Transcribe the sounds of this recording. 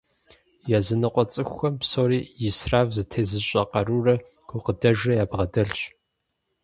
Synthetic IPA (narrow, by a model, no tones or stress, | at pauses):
jaːzɨnɨqʷʼɔt͡sʼɨxʷɐmpsoːɾiːjɪsraːvzɨtʰeːzɨɕʼɐqɐɾuːrɐ | ɡ̥ʷʰʊqədɐʒɐjaːbʁɐdɐɬɕ